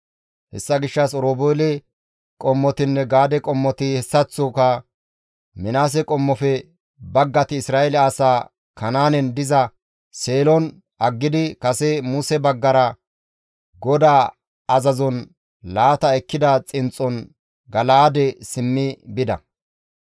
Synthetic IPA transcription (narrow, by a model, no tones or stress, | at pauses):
hɛ̰sːɐɡɪʃːɐsɔɾoːboːlɛ | kʼɔmːɔt̪ɪnːɛɡaːd̪ɛkʼɔmːɔt̪ɪhɛsːɐt͡sːʊkɐ | mɪnaːs̬ɛkʼɔmːɔfɛ | bɐɡːɐt̪ɪːsɾaːʔɛlɛɐsaː | kɐnaːnɛnd̪ɪzɐ | seːlɔn | ʔɐɡːɪd̪ɪkɐsɛmusɛbɐɡːɐɾɐ | ɡɔd̪aː | ɐzɐzɔn | laːt̪ɐɛkːɪd̪ɐt͡sʼɪnt͡sʼːɔn | ɡɐlaːd̪ɛsɪmːɪbɪd̪ɐ